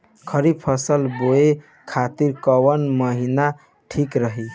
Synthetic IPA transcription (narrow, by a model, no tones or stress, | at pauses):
kʰəɾibpʰəsəlboe | kʰat̪iɾkəwənməɦina | ʈʰikɾəɦi